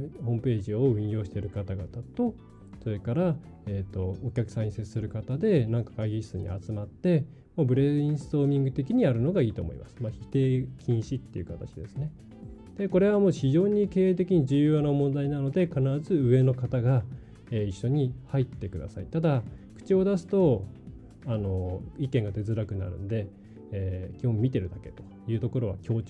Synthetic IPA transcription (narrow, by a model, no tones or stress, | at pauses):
hõ̞ːmɯ̟pe̞ːʑio̞ɯ̟̃ɰ̃jo̞ːɕi̥t̪e̞ɾɯ̟kat̪aɡa̰t̪at̪o̞ | so̞ɾe̞kaɾa | et̪ːo̞okʲakɯ̟̥sãɲ̟ːiseɨ̥sɨɾɯ̟kat̪ad̪e̞nãŋkḁkaiɡʲi̥sɨɲ̟ḭa̰t͡sɨmat̪ːe̞ | moːbɯ̟ɾe̞ĩɰ̃sɨ̥t̪o̞ːmʲĩŋɡɯ̟t̪e̞k̬ʲiɲ̟iaɾɯ̟no̞ɡaiːt̪o̞̰ːmo̞̰ḭma̰sɨ̥maçit̪e̞ːkʲʰĩɰ̃ɕit̪ːe̞̰iɯ̟̰kat̪at͡ɕid̪esɨne̞ | d̪̥e̞ko̞ɾe̞βamoːçiʑo̞ːɲ̟ike̞ːt̪e̞kʲiɲ̟id͡ʑɨːjonomõ̞nd̪ainano̞d̪e̞kanaɾazɨɯ̟e̞no̞kat̪aɡa | eiɕːo̞ɲ̟ihait̪ːe̞kɯ̟d̪a̰sa̰ḭt̪ad̪akɯ̟̥t͡ɕio̞d̪asɨ̥t̪o̞ | ano̞ikẽŋɡat̪e̞zɨɾakɯ̟na̰ɾɯ̟̰̃nod̪e̞ː | kʲomʲit̪e̞ɾɯ̟d̪ake̞t̪o̞̥jɯ̟ːt̪o̞ko̞ɾo̞βa̰kʲo̞ːt͡ɕ